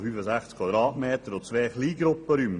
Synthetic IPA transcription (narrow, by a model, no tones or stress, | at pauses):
fyːfəzæχt͡skʰwad̪ɾɑːtmeːt̪əɾot͡sʋeːχliːɡɾʊpːəɾym